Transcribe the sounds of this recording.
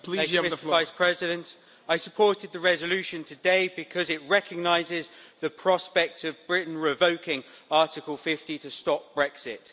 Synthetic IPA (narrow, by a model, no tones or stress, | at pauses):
pʰliæ̃ŋmɪstəəvaɪspʰɹ̥ɛzɪɾə̃nt | aɪsəpʰɔˑtɪd̪̚ðəɹɛzəlʉˑʃə̃ntʰədeɪbɪkʰɒzɪʔɹɛkʰəɡ̚naɪzɪzðəpʰɹ̥ɒspɛk̚təvbɹɪʔn̩ɹɪvəʊkʰɪ̃ŋ | ɑˑtɪkəlˠfɪftitʰəstɒp̚b̥ɹɛksɪt